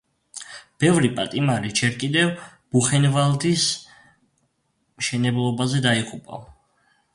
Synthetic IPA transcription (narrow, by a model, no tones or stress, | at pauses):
b̥ɛvɾipʼat̪ʼimaɾid͡ʒɛɾkʼid̪ɛvb̥uχɛnvalˠd̪is | mʃɛnɛblˠɔbazɛd̪aiqʼupʼa̰